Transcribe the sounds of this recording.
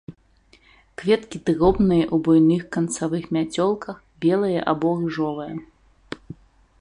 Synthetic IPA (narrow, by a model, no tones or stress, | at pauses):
kvʲɛt̪kʲit̪ɨrɔbnɨjɐʔubɔjnɨxkɐnt̪savɨxmʲat͡sʲɔlˠkɐx | bʲɛlˠɐjɐʔabɔrɨʐɔvɐjɐ